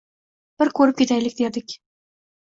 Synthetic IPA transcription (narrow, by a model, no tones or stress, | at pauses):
b̥ɪɾkʰɵɾɪp̚kʲʰe̞t̪ʰajlɪkʲd̪ed̪ɪkʲ